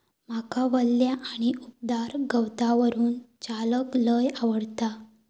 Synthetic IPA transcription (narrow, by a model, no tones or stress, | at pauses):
m̤akaʋəlːjaʔːɽ̃iup̚d̪aɾɡʱəwt̪aʋəɾuːnt͡ɕaləkləjaʋəɽt̪a